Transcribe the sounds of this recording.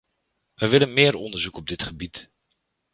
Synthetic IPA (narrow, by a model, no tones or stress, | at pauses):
ʋəʋɪlənmɪːɾɔndəɹzukɔb̚dɪtχəbit